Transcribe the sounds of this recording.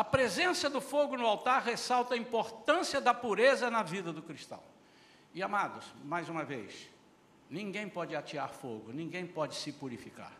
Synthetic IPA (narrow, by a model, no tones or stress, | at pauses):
ɐpɾezẽsɐd̪ʊfoɡʊnʊawt̪aɾɦesawt̪ɐĩpoɾt̪ɐ̃siɐd̪ɐpuɾezɐnɐvid̪ɐd̪ʊkɾist̪ɐ̰̃w̃ | ɪamad̪ʊsmajzũmɐvḛjs | nĩɡẽj̃pɔd͡ʒɪat͡ʃiaɾfoɡʊnĩɡẽj̃pɔd͡ʒɪsɪpuɾifika̰ɾ